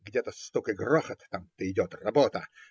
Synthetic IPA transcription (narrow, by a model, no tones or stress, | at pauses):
ɡdʲet̪əst̪ukɨɡroxət̪ːamt̪əɪdʲot̪rɐbot̪ə